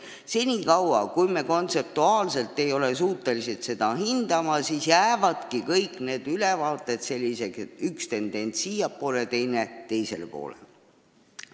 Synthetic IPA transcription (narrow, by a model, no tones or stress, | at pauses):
se̞nʲiːkɑwɑ̰kujme̞ko̞nt̪se̞p̚t̪uɑːlse̞lt̪ːˑe̞jo̞le̞s̬uːt̪ːˑe̞lise̞t̪se̞d̪̥ɑɦind̪̥ɑmɑsiːsjæːvɑd̪̥kikɤjkːˑne̞ːd̪̥ylevɑːt̪ːˑe̞t̪se̞lʲːise̞keykst̪e̞nd̪̥e̞nʲt̪siːjɑpːˑo̞ːlet̪e̞jne̞t̪e̞jse̞̰lpo̞̰ːlḛ